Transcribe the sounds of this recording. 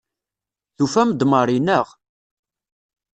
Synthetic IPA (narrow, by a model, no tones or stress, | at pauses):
θufæmd̪məɾˤinəʁ